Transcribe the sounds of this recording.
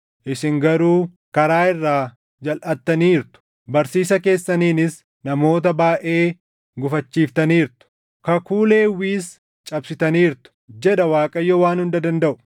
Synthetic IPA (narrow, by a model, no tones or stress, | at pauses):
ʔɪsɪŋɡɐɾuː | kɐɾaːɪrːaː | d͡ʒɐlʔɐt̪ːɐniːɾt̪ʊ̥ | bɐɾsiːsɐke̞ːsːɐniːnɪs | nɐmo̞ːt̪̬ɐbaːʔe̞ː | ɡʊfɐt͡ʃːiːft̪ɐniːɾt̪ʊ̥ | kɐkuːle̞ːwiːs | t͡ʃʼɐbsɪt̪ɐniːɾt̪ʊ̥d͡ʒɛᶑɐwaːkʼɐjːɔwaːnhʊnd̪ɐd̪ɐnd̪ɐʔʊ̥